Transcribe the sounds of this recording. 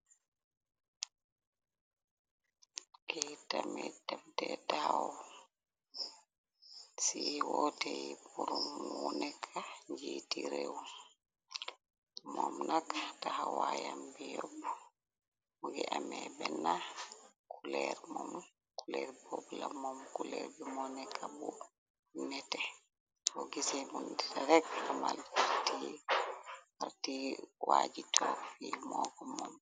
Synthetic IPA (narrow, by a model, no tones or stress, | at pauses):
ʔɛtamɛtamtɛtahawɔ | siwɔtɛjibuɾumunɛkʰaɲd͡ʒiːtiɾew | mɔmnʔakatahawajambijɔb | uɡɛʔamɛbɛnːa | kʰulɛɾmɔm | kulɛɾboblamɔmkulɛɾbɛmɔnɛkʰabu | nɛtɛ | ɔɡisɛbundɛtaɾɛɡlɔmalaɾti | aɾtiwad͡ʒitʰɔfimɔɡɔmɔm